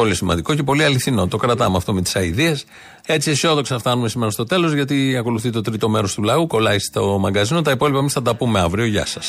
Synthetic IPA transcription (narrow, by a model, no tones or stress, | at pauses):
po̞lisimɐ̰nd̪iko̞ce̞po̞liɐliθino̞t̪o̞kɾɐt̪ɐmeɐft̪o̞met̪i̥sɐiðies | e̞t͡sieso̞ðo̞kseɐft̪ɐnumesimeɾɐst̪o̞t̪e̞lo̞zʝɐt̪iɐko̞luθit̪et̪ot̪ɾit̪o̞me̞ɾo̞st̪ulɐuko̞lɐist̪o̞mɐŋɡɐzinot̪ɐipo̞lipɐemisθɐt̪̬ɐpume̞ɐvɾio̞ʝɐ̰sɐs